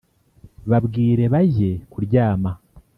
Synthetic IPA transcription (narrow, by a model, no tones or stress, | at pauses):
βabɡiːɾe̞βaʑe̞kuɾɟaːma